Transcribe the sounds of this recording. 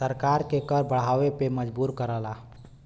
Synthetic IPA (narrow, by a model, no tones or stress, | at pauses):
səɾkaːɾkekəɾbəɽ̤aːwepeməd͡ʒbuːɾkəɾəlaː